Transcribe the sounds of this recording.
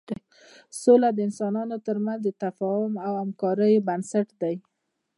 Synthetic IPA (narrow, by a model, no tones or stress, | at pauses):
solad̪əɪnsɑnɑnot̪əɾmanzd̪ət̪afɑhʊmawamkɑɾəjbansaʈd̪aj